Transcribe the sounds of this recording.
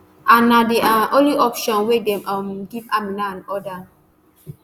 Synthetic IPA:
anadiʔaʔonliʔɔpʃɔ̃nwedɛmamɡivaminaanɔda

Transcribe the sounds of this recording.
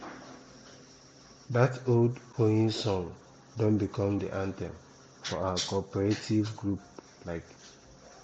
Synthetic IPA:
datoldpʰoĩnsɔ̃ŋ | dõnbikʰɔ̃mdḭʔãntɛ̰̃m | fɔawəkɔpɛɹetʰivɡɹup̚ | laɪk

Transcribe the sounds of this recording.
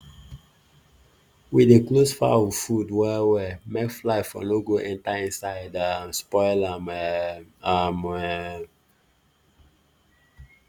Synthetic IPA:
wideklosfa̰ɔvfudwɛwɛmekflaɪfɔ̰noɡoʔɛ̃ntaĩnsaɪdamspɔɪlamɛamɛ

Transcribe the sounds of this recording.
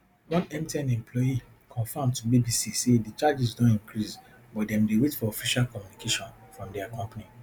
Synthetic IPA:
wɔ̃nɛ̃mtiãnɛ̃mplɔji | kʰɔ̃nfãmtubibisisedit͡ʃad͡ʒizdõntĩŋkɹis | bɔtdɛ̃mdewetfɔɔfiʃalkɔmjunikʰeʃɔ̃n | fɹɔ̃mdɛakɔ̃mpani

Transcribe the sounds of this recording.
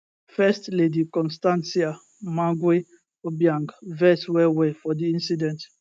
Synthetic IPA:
fɛstledikɔ̃nstãnsia | mãɡwe | objãŋɡvɛswɛwɛfɔdiĩnsidɛ̃nt

